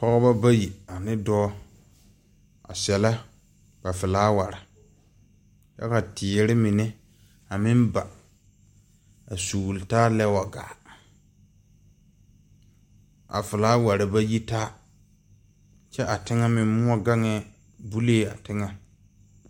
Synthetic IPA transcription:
pɔ˦ɣɔ˦ba˦ba˦ji˨a˨nɪ˦dɔː˦ | a̰˨sɛ˨la˦ | b̥a˨fɪ˨laː˦wa˨ɾɪ˨ | t͡ʃɛ̰˦ka˨tʰɪ˨ɾɪ˦mɪ˨nɛ˦ | a˨mɪ˦mba˨ | a˨suː˨wltaː˦lɛ˦wa˨ɡa̰ː˨ | a̰˨fɪ˨laː˨˦wa˨ɾɪ˨ba˦ji˦taː˦ | t͡ʃɛ˦ʔa˨tɪ˦ŋa˦mɪ˨˦mʊ˦a˦ɡa˦ŋɛ˦˨ | bu˦leː˦a˨tɪ˦ŋa˨

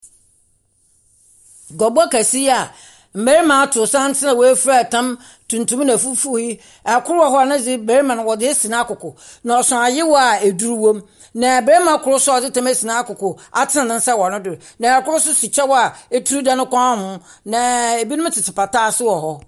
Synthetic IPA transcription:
ɡɔ˨ba˦kʰæ˨si˦a˨ | m̩˨mæ˦ɾi˦mã˨˦tʰʊ˨sã˦n̩˦tʰɪ˦nã˨wɔ˨æ˦fa˦˨tʰã˦m | tʰũ˨n˨tʰũ˦m˦nã˨fu˦fu˦ji˦ | a˨kʰʊ˦ɾwɔ˦ɦɔ˦a˨nɪ̃˦d͡zɪ˦be˨ɾi˦mã˨ñ˨wɔ˨dɪ˦ɛ˦si˨nã˦kʊ˨kʊ˨ | nã˨ɔ˨sʊ̃˨a˨jɪ˦wɔ˦a˨e˨du˦ɾu˦wõ˦m | nã˨bɾe˦ɾmã˨˦kʰʊ˨ɾʊ˦sʊ˦ɔ˨d͡zɪ˦tʰã˦mæ˦si˨nã˦kʊ˨kʰʊ˨ | a˨tʰɪ˦nã˨nɪ̃˦n˦sɛ˦wɔ˨nʊ̃˦dʊ˨nã˨ɛ˨kʊ˦ɾʊ˦sʊ˦si˨t͡ɕʰɛ˦wɔ˦a˨e˦tʰu˦ɾu˦da˨nʊ̃˦kʷʰã˦a˦hʊ̃˦ | nã˨e˨bi˦nʊ̃˦m˦tʰɪ˨tʰɪ˨pa˨taː˦sɪ˦wɔ˨ɦɔ˦

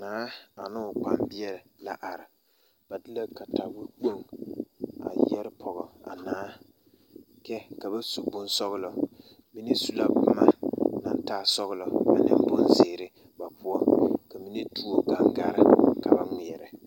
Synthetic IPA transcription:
naː˨˦a˨nʊ˦ʊ˨k͡pa˦mbi˦ɛ˦lɪ˨la̰˨ʔa˨ɾɪ˨ | ba˨dɪ˦la˦ka˨ta˨wi˦k͡po˦ŋ | a̰˨jɛ˦ɾɪ˦pʰɔ˨ɣɔ˨a̰˨naː˨˦ | kɛ˦ka˨ba˦su˨bʊ˨nsɔ˦ɣʊ˦lɔ˨ | mi˦ni˦su˦la˦kʊ˦ma˨na˨n˦taː˦sɔ˦ɣʊ˦lɔ˨a̰˨nɪ̰˦mbo˦nzɪ˨ɾɪ˦ | ba˨pu˦ɔ˦ka˨mi˦ni˦tu˦o˦ɡa˦ŋɡa˦˨ɾɪ˨ka˨ba˦ŋi˨ɛ˨ɾɪ˨

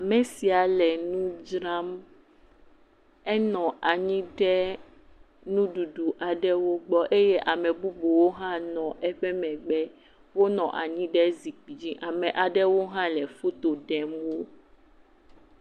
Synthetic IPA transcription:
a˨mɛ̃˨si˨a˨lɛ˨nũ˦d͡ʒɾã˦m | ɛ˦nɔ̃˨a˨ɲĩ˦ɖɛ˦ | nũ˦ɖu˨ɖu˨ʔa˨ɖɛ˦wo˦ɡ͡bɔ˦ʔe˦je˦ʔa˨mɛ̃˨bu˦bo˨wo˦ɦã˦nɔ̃˨ʔɛ˦ɸɛ˦mɛ̃˨ɡ͡bɛ˦ | wo˦nɔ̃˨ʔa̰˨ɲĩ˦ɖɛ˦zi˨k͡pi˨d͡ʑĩ˦ʔa˨mɛ̃˨ʔa˨ɖɛ˦wo˦ɦã˦lɛ˨fu˦t̪o˨ɖɛ˨mwo˦

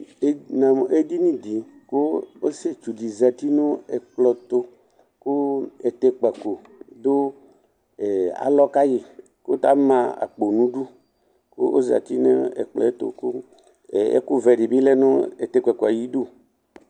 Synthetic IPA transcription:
e˦nã˨m˨e˦d̪i˦nĩ˦d̪i˨ | ko˦o˦se˦t͡ʃu˨di˨za˨t̪i˦nõ˦e˨k͡plɔ˨t̪o˦ | ku˦e˨t̪e˦k͡pɛ˨ko˨ | d̪o˦ | e˨a̰˨lɔ˦ka˦ji˨ | ko˦t̪a˦mã˦a̰˨k͡po˨nũ˦ɖu˦ | ko̰˦o̰˦za̰˨t̪i˦ne˦ḛ˨k͡plɔ̰˨e˦t̪o̰˨ku˦˨ | ḛ˦ku˦vɛ˨ɖi˨bi˦lɛ˦nõ˦e˨t̪e˦kɛ˨ko˨a˨ji˦do˦˨

